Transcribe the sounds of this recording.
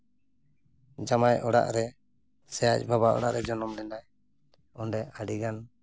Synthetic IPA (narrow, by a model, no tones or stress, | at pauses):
d͡ʒamajɔɽa̰ʔɾɛ | sɛjac̚ˀbʱabaʔɔ̰ɽa̰ʔɾɛd͡ʒɔnɔmnɛnaj | ɔnɖɛaɖiɡan